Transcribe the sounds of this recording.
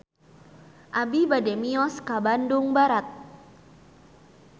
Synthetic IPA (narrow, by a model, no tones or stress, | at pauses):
ʔabibadɛmiɔskabanduŋbaɾat̪̚